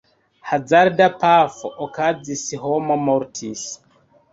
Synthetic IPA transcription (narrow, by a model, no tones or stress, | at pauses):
had͡zaɾdapafʔɔkazisiɦɔmomɔɾtʰis